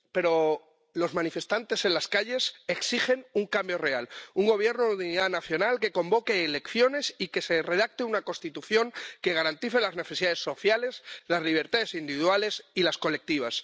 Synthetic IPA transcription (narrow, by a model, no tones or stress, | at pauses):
pe̞ɾo̞ | lo̞zmãnife̞st̪ant̪e̞se̞nlaskaʎe̞se̞ksixe̞nuŋkambjo̞re̞aluŋɡo̞βje̞ɾnoðiniðanaθjo̞nalke̞ko̞mbo̞ke̞ːle̞kθjo̞ne̞sike̞se̞re̞ð̞ak̚t̪eunako̞nst̪it̪uθjo̞ŋke̞ɣ̞aɾant̪iθe̞lazne̞θe̞siðaðe̞sːo̞θjale̞slazliβ̞e̞ɾt̪aðe̞sind̪iβiðwale̞silasko̞le̞k̚t̪iβ̞as